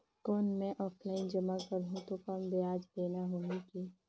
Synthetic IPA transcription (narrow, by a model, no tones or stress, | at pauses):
koːnmɛ̃ʔɔːfʰlaːɪnd͡ʒɐmakɐɾɦũt̪okɐmbeaːd͡ʒd̪eːnaɦoːɦẽki